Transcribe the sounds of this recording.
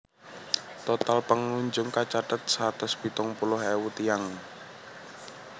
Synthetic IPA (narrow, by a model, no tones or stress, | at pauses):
t̪ɔt̪alpəŋːuɲd͡ʒʊŋkat͡ʃat̪ət̪̚sat̪ʊspit̪ɔŋpulʊhewut̪ijaŋ